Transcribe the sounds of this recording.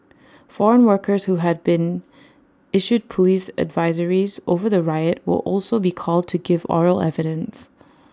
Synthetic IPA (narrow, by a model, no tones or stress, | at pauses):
fɔɹə̃nwɜ˞kʰə˞shuɦæd̚bɪ̃n | ɪʃud̚pʰəlisə̰dvaɪzəɹizovə˞ðəɹaɪət̚wɪ̰lʔɔlˠsobikʰɔlˠd̚tʰuɡɪvɔ̰ɹəlɛ̰vɪɾə̃ns